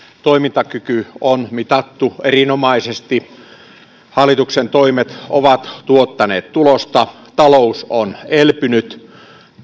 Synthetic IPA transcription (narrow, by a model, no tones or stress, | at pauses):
t̪oimint̪ɑkykyonmit̪ɑt̪ːuerinomɑisest̪i | hɑlːˑit̪uksent̪oimet̪oʋɑt̪t̪uot̪ːɑnḛːt̪t̪ulost̪ɑ | t̪ɑlousonelpynyt̪